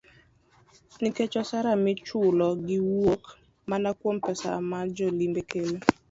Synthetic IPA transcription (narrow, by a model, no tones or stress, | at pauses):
niket͡ʃɔsaɾamɪt͡ʃʊlɔɡɪwok | manakwompɛsa̰mad͡ʒɔlimbekʰele